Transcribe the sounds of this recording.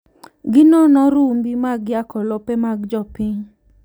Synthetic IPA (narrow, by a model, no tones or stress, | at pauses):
ɡɪnɔnɔɾumbimaɡjakɔlɔpemaɡd͡ʒɔpɪɲ